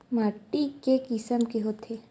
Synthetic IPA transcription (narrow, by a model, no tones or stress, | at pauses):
maːʈːikekɪsəmkeɦoːt̪ʰe